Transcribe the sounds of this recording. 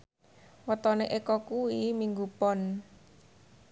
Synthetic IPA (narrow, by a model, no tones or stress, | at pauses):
wət̪ɔneʔekɔkuwimiŋɡupɔn